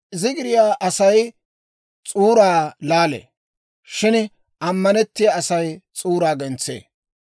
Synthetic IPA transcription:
ɪzɪɡɪɾɪjaːʔɐsɐj | t͡sʼuːɾaːlaːlḛː | ʃɪn | ʔɐmːɐnɛt̪ːɪjaɐsɐjt͡sʼuːɾaːɡɛnt͡sːḛː

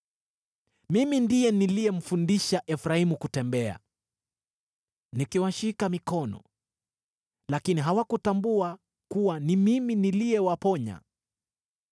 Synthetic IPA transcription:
mimindiɛniliɛm̩fundiʃaʔɛfɾaimukutɛmbɛa̰ | nikiwaʃikamikɔnɔ̰ | lakiniɦawakutambua | kuwanimiminiliɛwapɔɲa̰

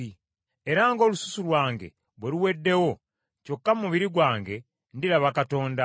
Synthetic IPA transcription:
i | eɾaŋɡo̞ːlusu̥sulwaːŋɡe̞̰ | βweluwe̞dːe̞wo̞ | co̞kːamumuβiɾiɡwaːŋɡe̞ | ndilaβakato̞ːnda

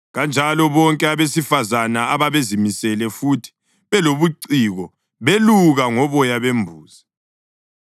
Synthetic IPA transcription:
ɣand͡ʒʱalɔβɔŋkʼɛaβesifazanaaβaβezimisɛlɛfuːtʰi̥ | βɛloβuǀiːɣɔ | βeluɣaŋɔβɔjaβembʱuːzi

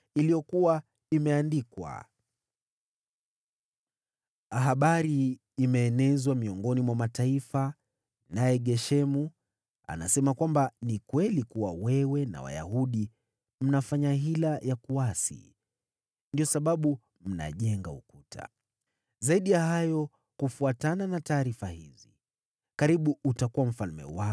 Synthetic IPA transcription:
ilijɔkuwa | imɛandikwa̰ | aɦaɓaɾiː | mɛːnɛzwamiɔŋɡɔnimwamataifa | najɛɠɛʃɛmu | a̰na̰sɛmakwambanikwɛlikuwawɛwɛna̰wa̰ja̰huɗi | m̩nafaɲaɦilajakuasḭ | ndiɔsaɓaɓu | m̩na̰ʄɛŋɡaṵkutʰa̰ | zaiɗijaɦajɔ | kufuatananataːɾifahizi | kaɾiɓuutakuwam̩falmɛ̰wa

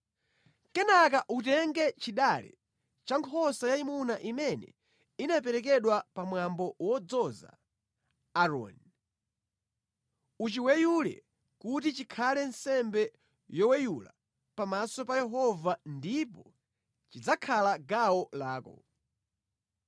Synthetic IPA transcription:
kɛnak̬aʔutɛŋɡɛt͡ʃiɗalɛ̰ | t͡ʃaŋkʰɔsajaimunaʔimɛnɛ̰ | inap̬ɛɾɛk̬ɛɗwapamwambɔwɔd͡zɔza̰ː | ɾɔ̰n | ut͡ʃiwɛjulɛ̰ | kutit͡ʃikʰalɛnsɛmbɛ | jɔwɛjula̰ | pamasɔpajɛɦɔvandipɔ | t͡ʃid͡zakʰalaɡawɔlaːkɔ

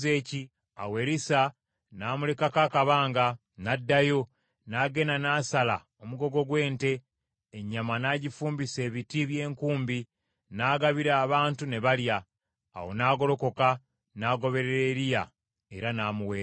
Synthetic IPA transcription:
ze̞ːci | a̰we̞ɾisa | naːmule̞kakakaβaːŋɡa | nadːajo̞ | naːɡe̞nanaːsala | omuɡo̞ɡo̞ɡwe̞ːnte̞ː | ɲːamanaːɟifuːmbise̞ːβitiβje̞ːŋkuːmbi | naːɡaβiɾaːβaːntune̞βalja̰ː | wo̞̰naːɡo̞lo̞ko̞ka | naːɡo̞βe̞ɾeɾeɾija | e̞ɾanaːmuweː

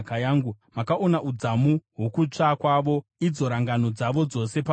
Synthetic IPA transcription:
kajaːŋɡu | makao̞naʔud͡zamuɦwokut͡ʂakwaʋo̞id͡zo̞ɾaŋɡano̞d͡zaʋo̞d͡zo̞se̞pa

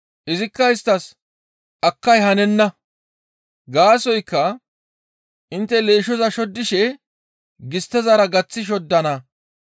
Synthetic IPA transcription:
ʔɪzɪkːɐɪst̪ːɐs | ʔɐkːɐjhɐnɛnːɐ | ɡaːsɔjkːɐ | ʔɪnt̪ːɛleːʃɔzɐʃɔd̪ːɪʃɛ | ɡɪst̪ːɛzɐɾɐɡɐt͡sːɪʃ̬ɔd̪ːɐnɐ

